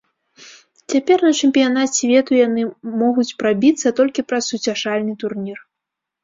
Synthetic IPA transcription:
t͡sʲapʲɛrnɐt͡ʂɛmʲpʲijanat͡sʲvʲɛt̪ujanɨmɔɣut͡sʲpɾabʲit̪sːɐt̪ɔlʲkʲipɾɐsːut͡sʲaʂalʲnɨt̪urnʲir

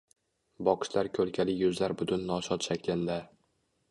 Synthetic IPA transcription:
bɒqʰʃlaɾkʲʰɵlkʲʰalɪjɵzlaɾbʊt̪ʰʊnːɒʃɒt̪ʃakʲlɪnd̪a

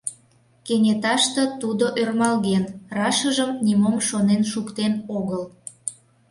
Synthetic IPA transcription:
kenʲet̪ɑʃt̪ə̆t̪ud̪oʔørmɑlɣenrɑʃəʒəmnimomʃonenʃukt̪enoɣəl

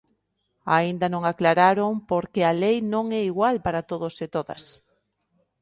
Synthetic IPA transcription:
a̰ind̪ɐnõŋaklaɾaɾompoɾkealejnõŋɛiɣwalpaɾat̪oðosɪt̪oðɐ̰s

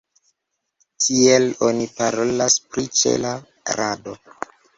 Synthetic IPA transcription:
tʰielo̞nipaɾo̞laspɾit͡ʃḛla | ɾado̞

